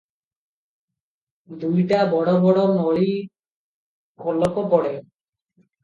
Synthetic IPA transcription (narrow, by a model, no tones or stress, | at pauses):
d̪ujʈabɔɽobɔɽonɔɭi | kolokopɔɽe